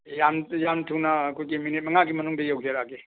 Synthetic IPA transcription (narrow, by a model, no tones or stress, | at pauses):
jamjamtʰuwnɐːkʰojɡiminit̚mɐŋaɡimɐnuŋdɐjawd͡ʒeɾaɡe